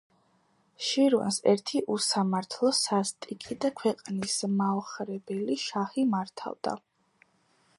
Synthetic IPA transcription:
ʃiɾwa̰nsɛ̰ɾt̪ʰiʔusamaɾt̪ʰlˠɔsast̪ʼikʼid̪akʰwɛqʼnismaɔχɾɛbɛliʃaχimaɾt̪ʰa̰vd̪a̰

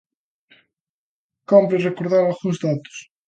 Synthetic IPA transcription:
kɔmpɾerekoɾðaɾalɣuŋzðat̪ʊ̥s

